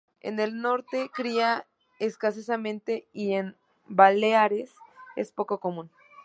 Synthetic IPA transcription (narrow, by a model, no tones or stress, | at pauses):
ḛne̞lno̞ɾt̪e̞kɾia | eskas̬esamẽnt̪e̞ien | baleaɾese̞̰spo̞ko̞ko̞mũn